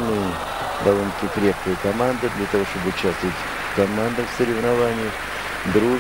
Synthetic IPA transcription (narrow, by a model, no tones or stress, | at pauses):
nɨjə | d̪ɐvolʲnəkʲɪkɾʲep̚kəjəkɐmand̪ɨd̪lʲat̪ɐvo̞ʂt̪obɨʊt͡ɕast̪əʋət̪ʲ | kɐmand̪əfsəɾʲɪvnɐvanʲɪjə | d̪ɾu